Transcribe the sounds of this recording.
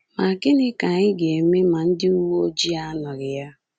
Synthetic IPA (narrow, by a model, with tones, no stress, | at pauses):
ma˨ɡɪ˦nɪ˦ka˨ɪ˦ɡe˨me˦ma˨n̩˦dɪ˦u˦wo˦o˦d͡ʒi˦a˦nʊ˨ɾɪ˨ja˦